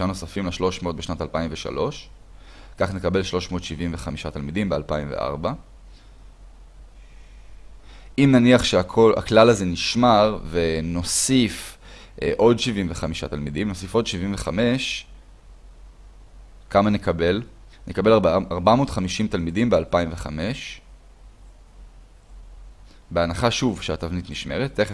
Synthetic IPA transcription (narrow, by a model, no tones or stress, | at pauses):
ano̞safimleʃlo̞ʃmeot̪̚beʃnat̪alpaimveʃa̰lo̞ʃ | kaχnekabe̞lʃlo̞ʃmo̞ːtʃiviɱve̞χamiʃatalmidimbealpaimvḛʔa̰ʁba | ʔimnaniaχʃeakʰola̰klalaze̞niʃmaʁveno̞sif | ʔo̞dʃivimveχamiʃa̰talmidimno̞sifo̞dʃivimveχame̞ʃ | kamanekabelnʔekabe̞laʁbamoːdχamiʃimtalmidimbealpaimveχa̰me̞ʃ | beanaχaʃuvʃeatavnitniʃme̞ʁeteχ